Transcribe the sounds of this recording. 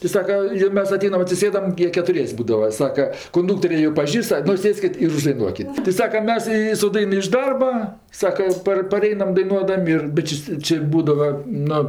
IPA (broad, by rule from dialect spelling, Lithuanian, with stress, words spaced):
tɐɪ ˈsɑːkɐ joː ˈmʲɛs ɐˈtʲɛɪnɐm ɐtʲsʲɪˈsʲeːdɐm ˈjiɛ kʲɛtʊˈrʲiɛsʲ ˈbuːdɐʋɐ ˈsɑːkɐ kʊnˈdʊktoːrʲeː joː ˈpɑːʒʲiːst ˈnʊ ˈsʲeːsʲkʲɪt ɪr ʊʒdɐɪˈnuɔkʲɪt tʲɪ ˈsɑːkɐ ˈmʲɛs ɪ sʊ ˈdɐɪn ɪʃ ˈdɐrbɐ ˈsɑːkɐ ɪ ˈpɐr pɐˈrʲɛɪnɐm dɐɪˈnuɔdɐmʲ ɪr bʲɛt ˈt͡ʃʲɪ sʲ ˈt͡ʃʲɪ ˈbuːdɐʋɐ ˈnʊ